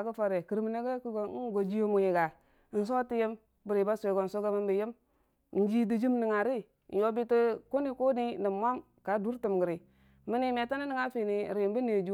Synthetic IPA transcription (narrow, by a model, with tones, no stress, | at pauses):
a˨kə˦fa˨ɾe˨ki˨ɾm˨ne˦ɡe˦ki˦ɡo˨˦ɡo˨d͡ʒi˦jo˦mu˨ji˨ɡa˨ | n̩˨s̬o˦ti˦je˦m | bi˨ɾi˨ba˦se˨ɡo˨n̩so˦ɡa˦mə˦mbi˨je˦m˨ | n̩˦d͡ʒi˦di˨d͡ʒi˦mni˨ŋa˨ɾi˦ | n̩˨jo˨bi˦ti˦ko˦ni˦ko˦ni˦ni˨˦mʷa˦m | ka˨du˦ɾti˨mɡi˨ɾi˨ | mi˦ni˦me˨ta˦ni˦ni˨ŋa˦fi˨ni˨ɾi˨mbi˦ne˨d͡ʒu˦